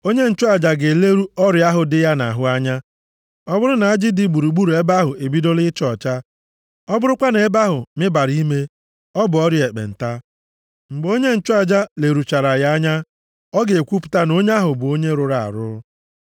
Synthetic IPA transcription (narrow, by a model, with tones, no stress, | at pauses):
o˦ɲe˦n̩˨t͡ʃʊ˦a˨d͡ʒa˨ɡe˨le˦ɾu˦ɔ˦ɾja˦ɦʊ˨dɪ˦ja˦na˨ɦʊ˦a˦ɲa˦ | ɔ˦bʊ˦ɾʊ˦na˨a˦d͡ʒɪ˦dɪ˨ɡ͡bu˨ɾu˨ɡ͡bu˦ɾu˨e˦ba˦ɦʊ˨e˨bi˦do˦lɪ˦t͡ʃɔ˨t͡ʃa˦ | ɔ˦bʊ˦ɾʊ˦kʷa˦ne˨e˦ba˦ɦʊ˨mɪ˦ba˨ɾi˦me˦ | ɔ˦bʊ˨ɔ˦ɾje˨k͡pḛ˨n̩˨ta˦ | ŋ͡m̩˨ɡ͡bo˦ɲe˦n̩˨t͡ʃʊ˦a˨d͡ʒa˦le˨ɾu˨t͡ʃa˨ɾa˨ja˦ɲa˦ | ɔ˦ɡe˨e˨kʷu˦pʊ̥˨ta˦no˦ɲ˦a˦ɦʊ˨bʊ˨o˦ɲe˦ɾʊ˨ɾa˨a̰˨ɾʊ̰˦